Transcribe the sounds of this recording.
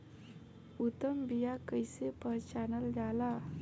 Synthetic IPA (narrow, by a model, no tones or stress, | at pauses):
ut̪əmbijakəjsepəɦt͡ɕanəld͡ʒala